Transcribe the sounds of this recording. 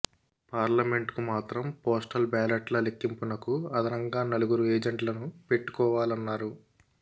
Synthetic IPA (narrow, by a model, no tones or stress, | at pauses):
paːɾlɐme̞ɳʈkumaːt̪ɾɐmpoːsʈɐlbaːleʈlɐlekːimpunɐkuɐd̪ʱɐnɐŋɡaːnɐluɡuɾueːd͡ʒeɳʈlɐnupe̞ʈːu̥kɔːʋaːlɐnːaːɾu